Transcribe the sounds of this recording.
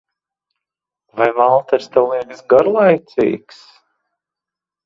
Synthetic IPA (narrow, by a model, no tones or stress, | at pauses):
vajvalˠt̪ɛɾst̪ɛwlˠiɛɡsɡaɾlˠajt̪sḭːks